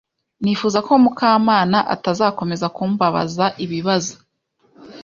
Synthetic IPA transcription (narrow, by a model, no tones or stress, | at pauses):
niːfuːzako̞mukʰaːmaːnaʔa̰tazaːko̞me̞zakuːmbaβa̰zaʔiβiβazo̥